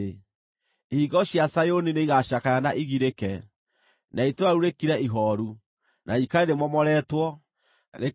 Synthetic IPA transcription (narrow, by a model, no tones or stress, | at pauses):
e | hiɣɔɕjasajonineiɣaʃakajanaʔiɣiɾekɛ | naitwaɾuɾekiɾɛiɦɔɾu | nʔaikaeðemɔmɔɾɛːtwɔ | ɾe